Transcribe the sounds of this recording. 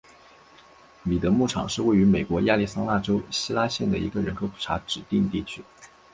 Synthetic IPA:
mi˨˩t̪ɤ˧˥mu˥˩ʈ͡ʂʰɑ̰˨˩ŋʂɻ̩˥˧we˥˩ɪy˧˥me˨˩ɪkwɔ˧˥ja˥˧li˥˩sɑ˥ŋla˥˩ʈ͡ʂo˥ʊɕi˥la˥ɕjɛ˥˩nd̪ə˩i˧˥ɡə˧ɻə˧˥nkʰɤ˧˥ʊpʰu̥˨˩ʈ͡ʂʰa̰˧˥ʈ͡ʂɻ̩˨˩t̪i˥˧ŋt̪i˥˩t͡ɕʰy˥

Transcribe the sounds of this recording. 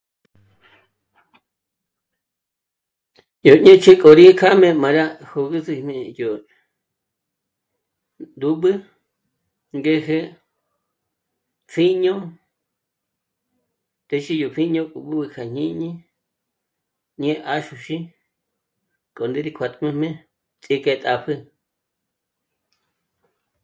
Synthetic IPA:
jo˨ɲẽ˦t͡ʃʰi˦kʼo˨ɾi˦kʰa˦mẽ˧mã˨ɾa˦ho˧ɣɨ˦zɨ˧mẽ˧jo˨ | d̪u˧˦ɓɨ˦ | ŋɡe˦ɦe˦ | fʰi˦ɲõ˦ | t̪e˧ʃi˧jo˨pʰi˦ɲõ˧kʼu˨ɓɨ˦bɨ˧kʰa˨ɲ̥ĩ˦ɲĩ˦ | ɲẽ˦ʔa˦ʃu˧ʃi˦ | kʼo˨nd̪e˦ɾi˧kʷʰa˧t̪ʼmẽ˧mẽ˦ | t͡sʼi˧kʼe˧t̪ʼa˧pʰɨ˦

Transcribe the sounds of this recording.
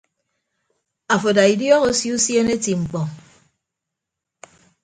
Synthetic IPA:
a˨fo˨da˨i˨djɔ˦ɣo˦sju˦sje˦ne˦ti˨ŋ͡m̩˨k͡pɔ˨

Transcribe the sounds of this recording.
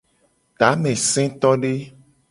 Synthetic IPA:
t̪a˨˦mɛ̃˨sɛ̃˦t̪ɔ˦ɖe˦

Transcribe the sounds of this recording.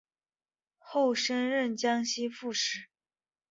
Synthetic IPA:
xo˥˩ʊʂə˥nɻə˥˩nt͡ɕjɑ˥ŋɕi˥fu˥˩ʂɻ̩˥˩

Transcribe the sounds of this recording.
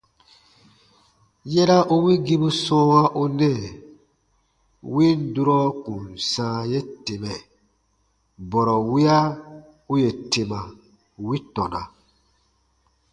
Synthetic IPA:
jɛ˦ɾa˦ʔu˦wi˦ɡi˦bu˦sɔ̃ː˦ŋa˦ʔu˦nɛ˦˨ | wi˦n˦du˦ɾɔ˦kũ˨nsãː˨˦je˦te˨mɛ˨ | bɔ˨ɾɔ˨wi˦a˦ | u˦je˨te˨ma˨ | wi˦tɔ˨na̰˨

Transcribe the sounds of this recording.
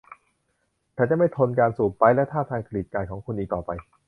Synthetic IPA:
t̪ʰɛː˧˩t͡ɕa˨˩ma˥˩jt̪ʰo˧nkaː˧nsuː˨˩p̚pa˧jlɛ˦˥wt̪ʰaː˥˩t̪ʰaː˧ŋkʰa˧liː˨˩t̪̚kaː˨˩jkʰɔː˩˦ŋkʰu˧nʔiː˨˩k̚t̪ɔː˨˩pa˧j

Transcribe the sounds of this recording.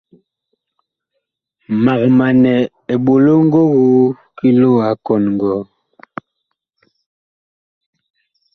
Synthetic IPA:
ma˨kma˨nɛ˨ | e˨ɓo˨lo˦ŋ̩˦ɡo˦ɣo˦ | ki˦lo˦˨a˨˦kɔ˨nŋ˨ɡɔ˨˦

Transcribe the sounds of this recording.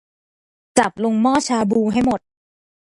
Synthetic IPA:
t͡ɕa˨˩p̚lo˧ŋmɔː˥˩t͡ɕʰaː˧buː˧ɦa˥˩jmo˨˩t̪̚

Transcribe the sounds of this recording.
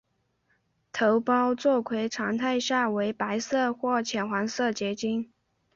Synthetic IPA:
t̪ʰo˧˥ʊpɑ˥ʊt͡swɔ˥˩kʰwe˧˥ɪʈ͡ʂʰɑ˧˥ŋt̪ʰa˥˧ɪɕja˥˩we˧˥ɪpa˧˥ɪsɤ˥˧xwɔ˥˩t͡ɕʰjɛ˨˩nxwa˧˥nsɤ˥˩t͡ɕjɛ˧˥t͡ɕi˥n

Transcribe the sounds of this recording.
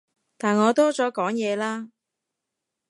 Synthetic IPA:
t̪aː˨˩nŋɔː˨˧t̪ɔː˥t͡sɔː˨˥kɔː˨˥ŋjɛː˨˧laː˥

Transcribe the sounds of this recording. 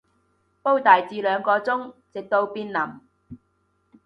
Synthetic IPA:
po˥wt̪aː˨˩jt͡siː˨˧lœː˨˧ŋkɔː˧t͡sʊ˥ŋt͡sɪ˨k̚t̪o˧wpiː˧˥nlɐ˨˩m

